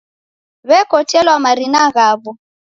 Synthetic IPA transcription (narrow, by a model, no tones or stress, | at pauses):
βɛkɔtɛlwamaɾinaɣaːβɔ